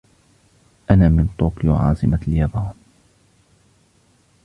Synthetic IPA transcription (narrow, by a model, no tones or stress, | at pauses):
ʔanaːmɪnt̪ˤoːkjo̰ʕɑ̰ːsˤɨmaljɑbɑːn